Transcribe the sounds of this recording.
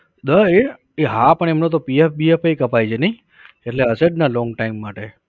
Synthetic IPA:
d̪əe | eɦãpəɳ̃emnot̪opiefbiepejkəpajd͡ʒʰenəɦĩ | eʈleəseɖnalɔ̃ŋɡʈaimːaʈe

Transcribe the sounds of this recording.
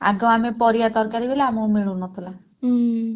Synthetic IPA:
a̰ɡɔ̃amepɔɾijat̪ɔɾkaɾibeleamɔwmiɭunɔt̪ʰɔla

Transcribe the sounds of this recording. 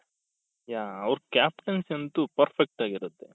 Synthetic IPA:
jaːɐʋɾkaːp̚ʈɐnsent̪upɐɾfʰek̚ʈaːɡiɾut̪ːe

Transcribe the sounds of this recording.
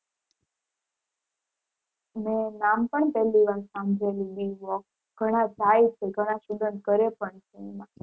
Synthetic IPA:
mẽnampəɳpɛliʋalsãmd͡ʒeliɗiʋɔk | ɡʱəɽ̃ãd͡ʒajt͡ʃʰeɡʱəɽ̃ãʃud̪ənkəɾepəɳt͡ʃʰemã

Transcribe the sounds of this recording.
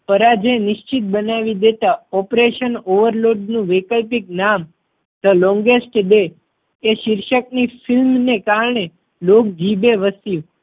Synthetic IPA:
pəɾad͡ʒenɪʃt͡ʃit̪̚bənaʋid̪et̪aɔpɾeʃənoʋəɾloɖnũʋekəlpik̚nam | d̪əlɔ̃ŋɡesʈd̪eː | ʃɪɾʃək̚nifʰɪlmnekaɾɳe | lok̚d͡ʒibeʋəsjũ

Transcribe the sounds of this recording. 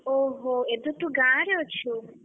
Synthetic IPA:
oɦoed̪ut̪ũɡãːɾjot͡ʃʰu

